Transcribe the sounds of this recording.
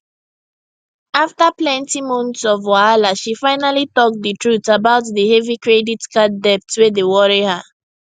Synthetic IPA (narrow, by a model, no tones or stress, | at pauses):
aftaplɛ̃ntimũntsɔvaalaʃifaɪnalitɔk̚dətʰɹutabaʊtðəhɛvikɹeditkadɛp̚tswedewɔɹiha